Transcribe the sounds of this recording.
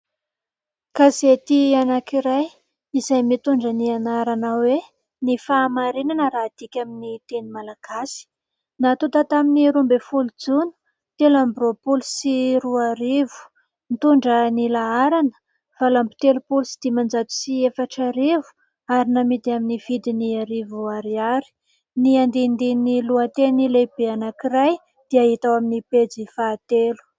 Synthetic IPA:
kazet̪ianakiɾaj | izajmit̪uɳɖ͡ʐənianaɾanawe | nifaːmaɾinanəɾaːd̪̥ikʲaminit̪enimalaɡ̥asi̥ | nat̪ut̪at̪aminiɾumbefulud͡zunu̥ | t̪elambropulusiɾuaɾevu̥ | nt̪uɳɖ͡ʐənilaaɾanə̥ | v̥alambi̥t̪elupulusi̥d̪̥imand͡ʒat̪u̥siefaʈ͡ʂaɾivu̥ | aɾinamit̪iaminiv̥id̪iniaɾivuaɾiaɾi̥ | niand̪ind̪iniluat̪enilebeanakiraj | d̪̥iaɦit̪awaminiped͡zifat̪elu̥

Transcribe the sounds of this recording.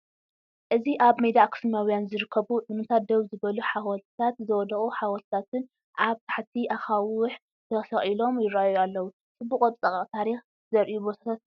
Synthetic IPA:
ʔɨziʔaβmejd̪akʰɨ̥smijawjanzɨɾɨkʰːɐβuʔɨnɨt̪ʰat̪̚d̪ɐβzɨbɐluħawɔlt̪ʰat̪zɐwɔd̪ɐχʼuħawɔlt̪ʰat̪ɨn | ʔaβt̪ʰḁħt̪ʰiʔaxawɨħ | t̪ʰɐsɐχʼilo̞mjɪɾajalːɐwu | sʼɨbuqʼot͡s̪ʼɐkʼɐqʼt̪ʰaɾix | zɐɾʔijubo̞t̪ʰḁt̪ʰat̪̚

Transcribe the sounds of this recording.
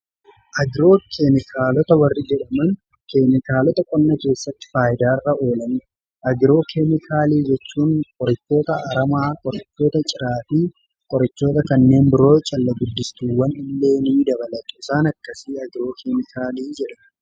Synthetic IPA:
ʔɐɡɪɾo̞ːkʰemɪkʰaːlɔt̪ɐwɐrːɪd͡ʒɛᶑɐmɐn | keːmɪkaːlɔt̪ɐkʼɔnːɐke̞ːsːɐt̪ːɪ̥faːjɪd̪aːɪrːɐo̞ːlɐnɪ | ʔɐɡɪɾo̞ːkʰemɪkʰaːliːd͡ʒɛt͡ʃːuːŋkʼɔɾɐt͡ʃːo̞ːt̪ɐːɾɐmaːkʼɔɾɐt͡ʃːo̞ːt̪ɐt͡ʃʼɪɾaːt̪iː | kʼɔɾɐt͡ʃːo̞ːt̪ɐkɐnːe̞ːnbɪɾo̞ːt͡ʃʼɐlːɐɡʊd̪ːɪst̪uːwːɐnɪlːe̞ːniːd̪ɐβɐlɐt̪ʼʊɪsaːnɐkːɐsiːɐɡɪɾo̞ːkʰeːmɪkʰaːliːd͡ʒɛᶑɐ

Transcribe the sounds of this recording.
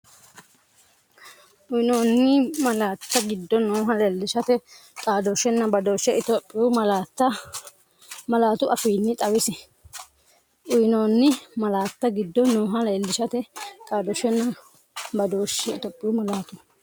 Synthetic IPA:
ʔʊjɪnoːnːɪmɐlaːt̪ːɐɡɪd̪ːɔnoːɦɐleːlːɪʃɐt̪ɛkʼaːd̪ɔʃɛnːɐbɐd̪o̞ːʃɛʔɪt̪ɔpʼːɪjʊmɐlaːt̪ːɐ | mɐlaːt̪ʊʔɐfiːnːɪt̪ʼɐwɪsɪ | ʔʊjɪnoːnːɪmɐlaːt̪ːɐɡɪd̪ːɔnoːɦɐlɛːlːɪʃɐt̪ɛkʼaːd̪ɔʃɛnːɐ | bɐd̪oːʃːɛɪt̪ɔpʼːɪjʊmɐlaːt̪ʊ

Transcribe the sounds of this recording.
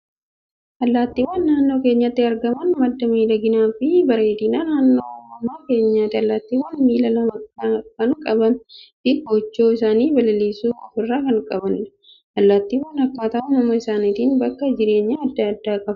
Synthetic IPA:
ʔɐlːaːt̪ːiːwaːnːaːnːo̞ːke̞ːɲːɐt̪ːɪɐɾɡɐmɐnmɐd̪ːɐmiːlɐɡɪnaːfɪbɐɾe̞ːt̪iːnaːnaːnːoːɐmːaːke̞ːɲːaːt̪ːɪɐlːaːt̪ːiːwaːnmiːlɐlɐmɐɐkɐnkʼɐbɐnt̪ɪɡot͡ʃːo̞ːɪsaːniːbɐlɐliːsuːɔfɪrːaːkɐŋkʼɐbɐn | ʔɐlːaːt̪ːiːwaːnɐkːaːt̪ɐʔɐnɐmɐɪsaːnit̪iːnbɐkːɐd͡ʒɪɾe̞ːɲːaɐd̪ːaːd̪ːaːkʼɐf

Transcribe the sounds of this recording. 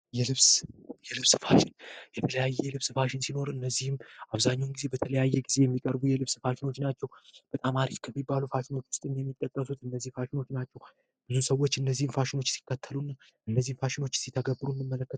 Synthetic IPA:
jɛlɨβsjɛlɨβsfaʃɪnjɛt̪ʰələjajːɛlɨβsfaʃɪnsino̞ɾɨnːəzːihɨmʔaβzaɲːawnɡize̞bət̪ʰələjajːɛɡize̞jɛmːikʼəɾbujɛlɨβsfaʃɪno̞t͡ʃːnat͡ʃːɛwb̥ət̪ʼamaɾifkʰəmːibːalufaʃɪno̞t͡ʃːwʊst̪ʼɨnjɛmːit̪ʼːəkʼːəsut̪ɨnːəzːihfaʃɪno̞t͡ʃːnat͡ʃːɛw | b̥ɨzusəwːo̞t͡ʃːɨnːəzːihɨmfaʃɪno̞t͡ʃːsi̥kːət̪ʰːəlunːa | ʔɨnːəzːihnfaʃɪno̞t͡ʃːsit̪ʰəɡəbɨɾuɨnːɨmːələkːət̪

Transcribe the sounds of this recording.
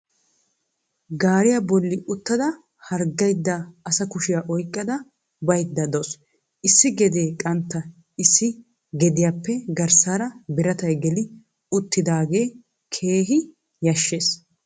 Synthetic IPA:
ɡaːɾɪjabɔlːɪʔʊt̪ːɐd̪ɐ | hɐɾɡːɐjd̪ːaːsɐkʊʃɪjaːʔɔjkʼːɐd̪ɐ | bɐjd̪ːɐd̪oːs | ʔɪsːɪɡɛd̪eːkʼɐnt̪ːɐ | ɪsːɪ | ɡɛd̪ɪjaːpːɛɡɐɾsaːɾɐbɪɾɐt̪ɐjɡɛlɪ | ʊt̪ːɪd̪aːɡe̞ː | kʰeːɦɪ | jɐʃːeːs

